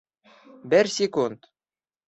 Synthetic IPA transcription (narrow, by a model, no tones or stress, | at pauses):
bɘɾsʲekunt̪